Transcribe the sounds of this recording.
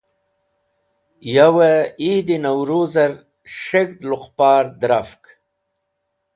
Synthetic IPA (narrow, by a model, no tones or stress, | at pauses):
jawaid̪inawɾuzaɾ | ʂeɡd̪lʊqpɑːɾd̪ɾafk